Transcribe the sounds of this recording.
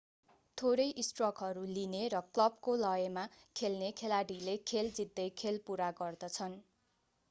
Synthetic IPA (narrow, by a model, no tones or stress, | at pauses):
t̪ʰoɾʌjʔisʈrʌkɦʌɾulineɾʌklʌb̚kolʌjemakʰelnekʰelaɽilekʰeld͡zid̪ːʌjkʰelpuɾaɡʌrd̪ʌt͡sʰʌn